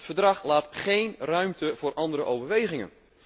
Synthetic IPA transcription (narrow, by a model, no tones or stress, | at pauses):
tfəɹdrɑχlaːtχejnrœɥmtəvʊːrʔɑndəɾəʔowvəɹʋejχɪŋə̰n